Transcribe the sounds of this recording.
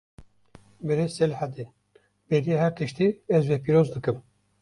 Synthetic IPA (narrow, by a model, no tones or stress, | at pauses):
bɨɾesɛlħad̪en | bed̪iehæɾt̪ɨʃt̪iːɛzvɛpiːɾoːzd̪ɨkɨm